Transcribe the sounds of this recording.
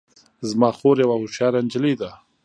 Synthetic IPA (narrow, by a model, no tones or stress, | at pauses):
zmɑːxoːɾjawahʊʃjɑːɾand͡ʒɪlid̪a